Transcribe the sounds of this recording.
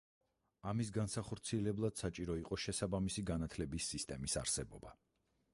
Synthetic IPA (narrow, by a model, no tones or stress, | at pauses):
amis̬ɡansaχɔɾt̪sʰiɛlɛblˠad̪̥sat͡ʃʼiɾɔiqʼɔʃɛsabamisiɡanat̪ʰlɛbisːist̪ʼɛmisa̰ɾsɛbɔba